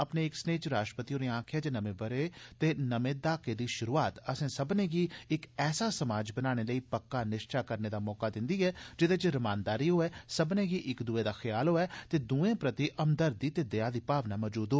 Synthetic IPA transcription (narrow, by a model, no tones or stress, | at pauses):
əpneːɪksneːt͡ʃɾaːʃʈɾə̥pət̪iõːɾeːãːkʰjaːt͡ʃenəmẽːbəɾeːt̪eːnəmẽːd̪aːkeːd̪iːʃʊɾuːaːt̪əsẽːsəbnẽːɡiːɪkɛːsaːsəmaːd͡ʒbənaːɽ̃eːləiːpəkːaːnɪʃt͡ʃʰaːkəɾneːd̪aːmɔːkaːd̪ɪ̃nd̪iːɛːd͡ʒɪd̪eːt͡ʃɾəmãːnd̪aːɾiːɦoːɛːsəbnẽːɡiːʔɪkd̪uːeːd̪aːxʰəjaːlɦoːɛːt̪eːd̪uːẽːpɾət̪iʔəmd̪əɾd̪iːt̪eːd̪eaːd̪iːpaːʋnaːmɔːd͡ʒuːd̪ɦoː